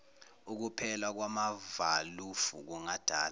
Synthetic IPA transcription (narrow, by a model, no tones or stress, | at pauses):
uk̬upʰɛlak̬wamavalufṵk̬uŋad̥ʱaːl